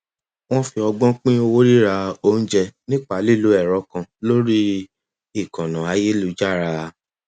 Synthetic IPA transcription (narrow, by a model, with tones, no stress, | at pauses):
w̃ɔ̃˦fi˧ɔ˧ɡ͡bɔ̃˦k͡pĩ˦o˧wo˦ɾi˦ɾa˧o˧˦n̩˦d͡ʒɛ˧nĩ˦k͡pa˨˦li˦˨lu˨˦ɛ˦˨ɾɔ˧˦kã˧lo˦ɾi˦ | i˦˨kɔ̃˨nã˨a˧je˦lu˨˦d͡ʒa˦˨ɾa˧